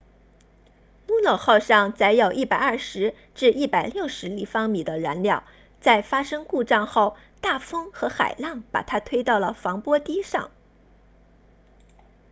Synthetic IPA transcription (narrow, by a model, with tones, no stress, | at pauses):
mu˧˥nɤ˨˩xɑ˥˧ʊʂɑ˥˧ŋt͡sa˧˥ɪjo˨˩ʊʔi˥˩pa˨˩ɪɐ˥˩ʂɻ̩˧˥ | ʈ͡ʂɻ̩˥˧ʔi˥˩pa˨˩ɪljo˥˩ʊʂɻ̩˧˥li˨˩fɑ˥ŋmi˨˩d̪ə˦ɻa˧˥nljɑ˥˩ʊ | t͡sa˥˩ɪfa˥ʂɤ˥ŋku˥˧ʈ͡ʂɑ˥˧ŋxo˥˩ʊ | t̪a˥˩fɤ˥ŋxɤ˧˥xa̰˨˩ɪlɑ˥˩ŋpa̰˨˩t̪ʰa˥t̪ʰwe˥ɪt̪ɑ˥˩ʊlə˩fɑ˧˥ŋpwɔ˥t̪i˥ʂɑ̰˥˩ŋ